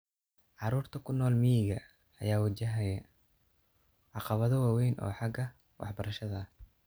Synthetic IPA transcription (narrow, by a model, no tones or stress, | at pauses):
ʕɑɾuːrt̪ʰɐkʰʊnɔːlmijɪɣɐ | ɐjaːwɐt͡ʃɐɦɐjɐ | ʕɑqɑβɐðɔwɑːwɛjnʔɔ̰ːħɑɡɐ | wʔɑ̰ħbɐɾɐʃɐðɐh